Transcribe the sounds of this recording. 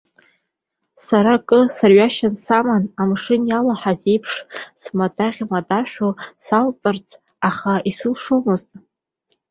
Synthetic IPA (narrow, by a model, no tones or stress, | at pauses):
saɾakʼɨsarɥaʃansamanamʂɨnjalaħaze̞jpʰʂsmadʼaʁʲmadʼaʃᶣosalt͡sʼɨrt͡sʰ | aχaisɨlʂumɨztʼ